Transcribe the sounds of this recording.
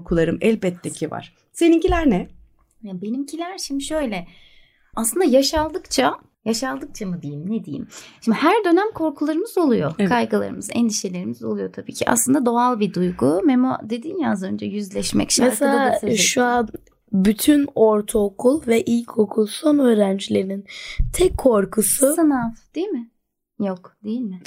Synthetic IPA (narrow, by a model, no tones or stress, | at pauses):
kʰulˠaɾɯmɛlʲbɛt̪ːecʰiva̰ɾ̥ | senincilʲæɾnɛ | jabe̞nimcʰilʲæɾʃimd̪iʃø̞jlʲɛ | aslˠɯnd̪ajaʃalˠd̪ɯkt͡ʃʰa | jaʃalˠd̪ɯk̚t͡ʃʰamɯd̪ejimnɛd̪ejḭmʃimd̪ihæɾd̪ø̞næmkʰo̞ɾkʰulˠaɾɯmɯzo̞lˠujo̞kʰajɡɯlˠa̰ɾɯmɯzɛ̰nd̪iʃe̞lʲe̞ɾimizo̞lˠujo̞t̪ʰabḭːcʰiʔa̰slˠɯnd̪ad̪o̞alˠbid̪ujɡumemod̪e̞d̪injaazø̞nd͡ʒɛjyzlʲɛʃmɛ̰cʃamɛɾselʲaaaaʃua | byt̪ʰynoɾt̪ʰookʰulˠvɛʔilʲcʰokʰulˠso̞nø̞ːɾænd͡ʒilʲe̞ɾinint̪ʰɛkʰːoɾkʰusuɯnafd̪̥ejilmɪ | jokd̪̥ejilʲmɪ